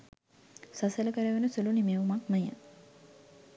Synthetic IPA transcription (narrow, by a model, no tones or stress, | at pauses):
sasələkəɾəʋenəsulunimeʋumakməjə̰